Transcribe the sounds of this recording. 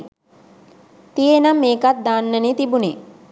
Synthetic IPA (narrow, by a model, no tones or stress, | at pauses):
t̪ijenamːeːkat̪̚d̪aːnːənet̪ibune